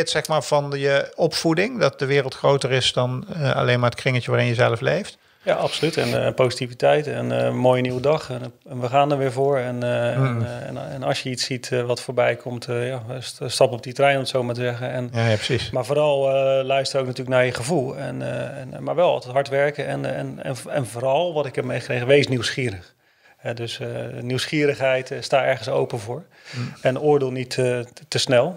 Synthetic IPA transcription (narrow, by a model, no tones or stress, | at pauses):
tsɛxmaːɹv̥ɑnjəɔpfudɪŋdɑt̚dəʋɪːrəlˠtxrowtərɪsdɑnəɑ̰lejnmaɹətkrɪŋətjəʋaːrɪnjəzɛləflejft | jaʔɑpsolytɛnpowzitivitɛjtɛnmoːjəniwədɑχ | ɛnʋəχaːndəɹʋɪːɹvʊːɹɛn | ɛnɑ̰sjəitsitʋɑtfoːɹbɛjkʰɔmtʰjastɑpɔp̚ditrɛjnɔmtsowmatəzɛɣəɛnismaːɹvoːɾɑlˠəlœɥstəɾoːk̚natyːləknaːɹjəχəvulˠɛnnmaɹʋɛlˠɑ̰lˠtɛtɦɑɹtʋɛɹkəɛnɛ̰nɛ̰nɛ̰nvoːɾɑlˠʋɑtɪkɛp̚mejχəkrejɣənʋejsniwsχiːɾəχ | hɛdøsniwsχiːɾəχɦɛjtstaːɛɹχənso̰wpənvʊːɹ | ɛnʊːɹdeːlˠnittəsnɛlˠ